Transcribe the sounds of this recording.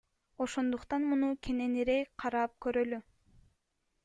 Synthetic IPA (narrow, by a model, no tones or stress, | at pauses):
o̞ʃo̞nd̪uqt̪ɑnmunukʰe̞ne̞niɾejqʰɑɾɑp̚køɾøly